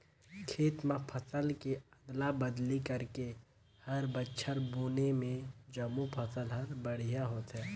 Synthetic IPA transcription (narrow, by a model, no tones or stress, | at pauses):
kʰeːt̪mãpʰɐsəlkeɐd̪labɐd̪likɐɾke | hɐɾbətːʃʰəɾboːnemẽd͡ʒɐmːupʰɐsəlɦɐɾbɐɽ̤ijaɦoːt̪ɦɛː